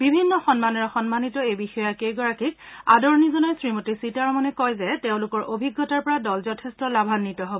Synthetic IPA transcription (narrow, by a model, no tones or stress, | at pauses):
bibʱinːɔxɔnmanɔɹɔxɔnmanitɔejbixɔjɔakejɡɔɹakika̰dɔɹnizɔnɔjsɹimotisitaɹɔmɔnɛkɔjzɛteʊ̃lʊkɔɹʔobʱiɡːɔtaɹpɔɹadɔlzɔtʰɛstɔlabʱanːitɔɦobɔ